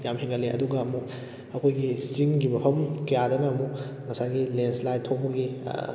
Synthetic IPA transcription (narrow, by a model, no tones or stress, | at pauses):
jamhiŋɡɐleʔɐ̰duɡɐːmu | ɐkʰojɡisiŋɡibɐpʰɐmkɐjadɐnɐːmu | ŋɐsajɡilenslajtʰobɐɡḭ